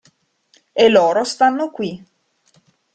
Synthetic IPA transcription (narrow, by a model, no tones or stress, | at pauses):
elːoːɾost̪anːokwi